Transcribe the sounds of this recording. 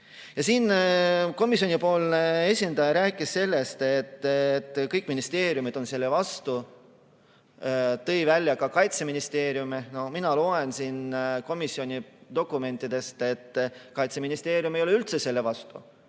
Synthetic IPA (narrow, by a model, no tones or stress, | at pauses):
jɑsiːnko̞misio̞nʲipo̞ːlneesʲind̪̥ɑjɑɾæːkːˑisːe̞lːe̞st̪et̪ːt̪ːˑkɤjkːˑminist̪e̞ːɾjumid̪̥o̞nse̞lːe̞vɑst̪u | t̪ɤ̞jvælʲːjɑkɑkɑjt̪se̞minist̪e̞ːɾjumeno̞hminɑlo̞ːe̞nsiːnko̞misːio̞nʲid̪̥o̞kˑːume̞nt̪ːˑid̪̥e̞st̪e̞t̪ːkɑjt̪se̞minist̪e̞ːɾjumejleylt̪se̞se̞lːevɑst̪ṵ